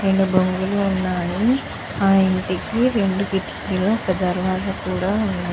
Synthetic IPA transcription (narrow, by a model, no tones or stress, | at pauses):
ɾe̞ɳɖubɐŋɡuluːnːaːni | aːiɳʈikiɾe̞ɳɖuɡiʈi̥kliloːkɐd̪ɐɾʋaːɡ̪akuːɽaːunːaː